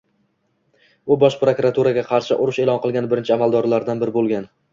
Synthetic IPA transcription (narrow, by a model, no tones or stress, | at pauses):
ʊbɒʃpɾokɾat̪ʰuɾaɡʲaqʰɑɾʃɪʔʊɾʊʃe̞lɒnqɨlˠɡʲanɪbɪɾɪnt͡ʃʰɪamalˠd̪ɒɾlaɾd̪anbɪɾɪbolˠɡʲan